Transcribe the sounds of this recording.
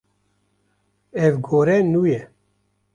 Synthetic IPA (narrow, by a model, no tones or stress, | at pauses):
ɛvɡoːɾɛnuːjɛ